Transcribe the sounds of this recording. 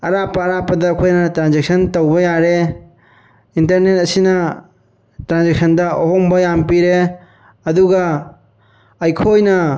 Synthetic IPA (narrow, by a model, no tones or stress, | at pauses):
ɐɾapɐːɾapɐdɐːkʰojnɐtɾanzek̚sɐntowbɐjaɾe | intɐɾnet̚ɐsinɐ | tɾanzek̚sɐndɐoɦombɐjampiɾe | ɐduɡɐ | ɐjkʰojnɐ